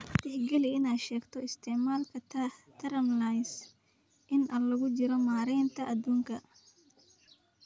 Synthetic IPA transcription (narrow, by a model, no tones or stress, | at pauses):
t̪ɪħɡɐlɪɪnaːʃɛːɡt̪ʰɔɪst̪ʰɛʕmaːlkʰɐt̪ʰɐɾɐmlajs | ʔɪnʔɐlɐɣʊt͡ʃɪɾɔmaːɾɛjnt̪ʰɐʔɐd̪uːŋkʰɐ